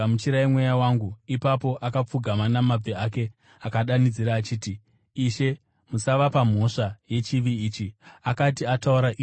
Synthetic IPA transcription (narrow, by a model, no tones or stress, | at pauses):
mut͡ʃiɾaimwe̞jawaŋɡuipapo̞ʔakap͡fuɡʱamanamab͡veake̞ | akaɗanid͡ziɾaːt͡ʃiːti | iʃe̞ | musaʋapam̤o̞ʂaje̞t͡ʃiʋiiːt͡ʃiakatiatauɾaʔi